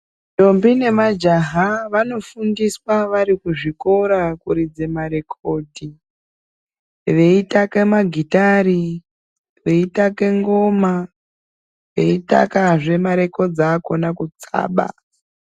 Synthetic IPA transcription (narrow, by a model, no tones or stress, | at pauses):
to̞mbine̞mad͡ʒaɦaʋano̞fundiswaʋaɾikuʐiko̞ɾakuɾid͡ze̞maɾe̞kʰo̞ːdʱi | ʋe̞itake̞maɡʱitaɾi | ʋe̞itake̞ŋɡo̞ma | ʋe̞ita̰kaʐe̞maɾe̞ko̞d͡zako̞nakut͡sa̰ːɓa̰